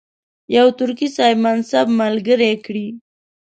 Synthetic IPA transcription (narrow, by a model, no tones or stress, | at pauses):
jawt̪ʊɾkisɑjmansabmalɡəɾekɽi